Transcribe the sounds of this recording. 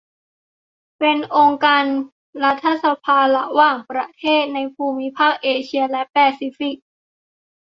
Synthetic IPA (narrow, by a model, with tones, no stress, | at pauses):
pe˧nʔo˧ŋkaː˧n | ɾa˦˥t̪ʰːa˧sa˧pʰaː˧la̰˧˩waː˧˨˩ŋpɾa˧t̪ʰeː˥˩t̪̚na˧jpʰuː˧mi˦˥pʰaː˥˩k̚ʔeː˧t͡ɕʰi˧ɐlɛ˦˥ʔpɛː˧si˧˦˥fi˨˩k̚